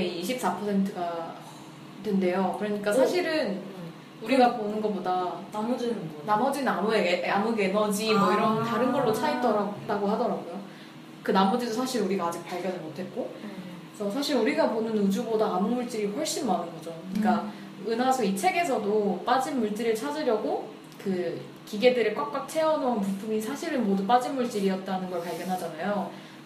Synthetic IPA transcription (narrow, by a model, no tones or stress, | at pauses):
eiɕʰip̚s͈ʰapʰʌsʰe̞ntʰɯɡaʌ | twe̞nde̞jokɯɾʌɲik͈asʰaɕʰiɾɯn | uɾiɡaponɯnɡʌpodaamd͡ʑinnamʌd͡ʑinamueamuɡenʌd͡ʑimwʌiɾʌntaɾɯnɡʌɭːot͡ɕʰaidʌɾadaɡoɦadʌɾaɡojo | kɯnamʌd͡ʑidosʰaɕʰiɾuɾiɡaːd͡ʑik̚p͈aɭɡjʌnemotʰe̞t̚k͈o | sʰʌsʰaɕʰiɾuɾiɡaponɯnud͡ʑubodaːnɯmuɭt͡ɕ͈iɾiɸwʌɭɕ͈inmanɯnɡʌd͡ʑoɯɲik͈a | ɯnasʰʌit͡ɕʰe̞ɡe̞sʰʌdop͈ad͡ʑinmuɭt͡ɕ͈iɾɯɭt͡ɕʰad͡ʑɯɾjʌɡo | kɯ | kiɡe̞dɯɾɯɭk͈wak̚k͈ak̚t͡ɕʰe̞ʌnonpupʰumisʰaɕʰiɾɯnmodup͈ad͡ʑinmuɭt͡ɕ͈iɾiʌt̚t͈anɯnɡʌɭpaɭɡjʌnɦad͡ʑanajo